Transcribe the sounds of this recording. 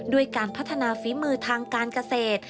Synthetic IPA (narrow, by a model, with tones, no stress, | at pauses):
du˧˩əjkaː˧npʰa˦˥t̪ʰːa˧naː˧fiː˩˦mɯː˧t̪ʰaː˧ŋkaː˧nka˧seː˨˩t̪̚